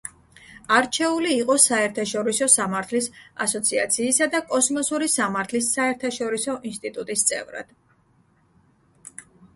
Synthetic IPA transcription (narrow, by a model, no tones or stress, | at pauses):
aɾt͡ʃʰɛuliːqʼɔsaɛɾt̪ʰaʃɔɾisɔsamaɾt̪ʰlisa̰sɔt̪sʰia̰t̪sʰiːsad̪akʼɔsmɔsuɾisamaɾt̪ʰlisːaɛɾt̪ʰaʃɔɾisɔʔinst̪ʼit̪ʼut̪ʼist̪sʼɛ̰vɾa̰d̪̥